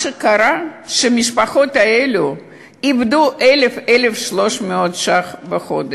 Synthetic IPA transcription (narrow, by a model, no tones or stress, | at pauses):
ʃekaɾaʃemiʃpaχo̞t̪aelu | ivd̪uʔelefelefʃlo̞ʃmeot̪ʃaχveχod̪